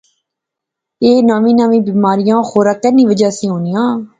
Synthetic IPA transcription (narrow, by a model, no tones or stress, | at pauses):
eːnaːʋĩːnaːʋĩːbiːmaːɾɪjãːxoːɾaːkɛːniːʋəd͡ʒaːsĩːɦoːnijãː